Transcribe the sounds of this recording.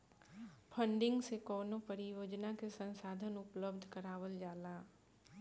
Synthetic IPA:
pʰə̃ɳɖɪ̃ŋɡsekɔːnõpəɾijoːd͡ʒnakesə̃nsaːd̪ʱənʊpləbd̪ʱkəɾaːwəld͡ʒaːlaː

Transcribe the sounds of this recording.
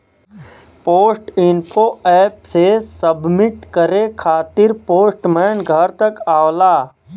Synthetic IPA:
poːsʈɪnpʰoːɛːpsesəbmɪʈkəɾekʰaːt̪ɪɾpoːsʈmɛːnɡʱəɾt̪ɐkaːwlaː

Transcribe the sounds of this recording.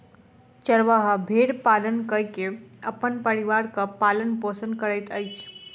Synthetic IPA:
t͡ʃəɾʋəɦəbʱeɽpalənkəjkeəpənpəɾiʋaɾkəpalənposənkəɾəjt̪əjt͡ʃʰ

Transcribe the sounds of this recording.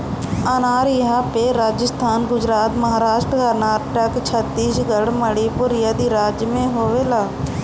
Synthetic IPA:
ənaːɾɪɦapeɾaːd͡ʒəst̪ʰaːnɡʊd͡ʒɾaːt̪məɦaːɾaːʃʈɾəkəɾnaːʈəkt͡ʃʰət̪ːiːsɡəɽməɽipʊɾɪjaːd̪iːɾaːd͡ʒjəmẽɦoːʋelaː

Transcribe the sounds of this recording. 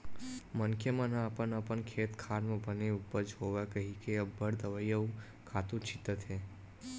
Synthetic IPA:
mənkʰjəmanãəpənəpənkʰeːt̪kʰaɾmẽbəneupːəɾd͡ʒɦoʋakəɦikeəbəɽd̪əʋajjə | kʰat̪ũt͡ʃʰit̪ət̪ʰe

